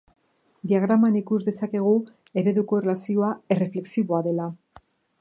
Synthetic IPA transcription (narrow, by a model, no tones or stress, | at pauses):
d̪iaɣ̞ɾamanikuzd̪e̞sake̞ɣ̞u | e̞ɾe̞ðuko̞erlasio̞ae̞re̞fle̞ksiβo̞aðe̞la